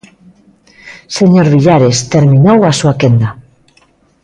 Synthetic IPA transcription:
seɲoɾβiʎaɾest̪eɾmĩnowasuakend̪a

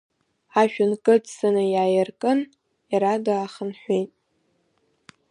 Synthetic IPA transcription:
aʃᶣʊnkʼɨtsɨnɨjaːjɪrkʼɨn | jaɾadaaχənħʷejtʼ

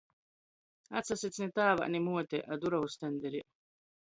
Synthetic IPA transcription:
a̰t̪sasit̪t͡s̪nit̪aːva̰ʔnimuɔt̪ɛʔad̪uɾawust̪ɛnd̪ɛɾiʔ

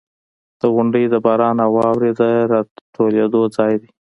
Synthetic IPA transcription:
d̪̥əɣʊɳɖəjd̪əbɑɾɑnawɑwɾed̪əɾɑtoled̪od͡zɑjd̪e

